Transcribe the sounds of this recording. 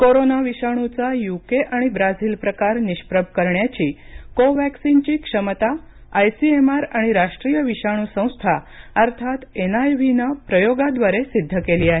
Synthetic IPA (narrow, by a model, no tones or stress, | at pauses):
koɾonaʋiʃaɽ̃ut͡sajukeʔaɽ̃ibɾad͡zilpɾəkaɾnɪʃpɾəbʱkəɾɳjat͡ɕikoʋɛksint͡ɕikʂəmət̪a | ajsiemaɾaɽ̃iɾaʃʈɾijəʋiʃaɽ̃usə̃w̃st̪ʰaəɾt̪ʰat̪enajʋinapɾəjoɡad̪ʋaɾesid̪ʱːəkeliaɦe